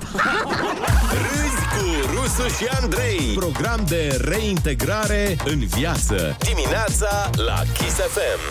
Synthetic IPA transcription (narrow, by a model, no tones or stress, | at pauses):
rɨjkuɾusuʃiand̪ɾe̞jpɾo̞ɡɾamd̪e̞re̞int̪e̞ɡɾaɾe̞ɨnvjat̪sə̰d̪imineat̪sala̰kʲisefem